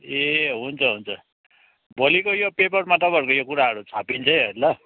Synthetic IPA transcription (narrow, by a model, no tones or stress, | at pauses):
eɦunt͡sʰʌɦunt͡sʰʌ | bʌlikojopepʌrmaʈʌbʱʌrkojokuɾaɦʌɾut͡sʰapint͡sʰʌjɦʌjlʌ